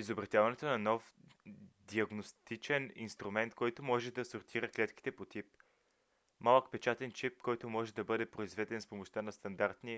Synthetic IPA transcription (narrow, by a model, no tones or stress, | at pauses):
izobɾɐt̪javɐnɛt̪onɐnɔf | d̪iɐɡnost̪it͡ʃɛnḭnst̪ɾumɛnt̪kɔjt̪omɔʒɛd̪ɐsoɾt̪ʰiɾəklɛt̪ki̥t̪ɛpot̪ip̚ | malˠəkpɛt͡ʃat̪ɛnt͡ʃip̚kɔjt̪ʊmɔʒɛd̪ɐbɤd̪ɛpɾoizvɛd̪ɛnspomoʃt̪anɐst̪ɐnd̪aɾt̪ni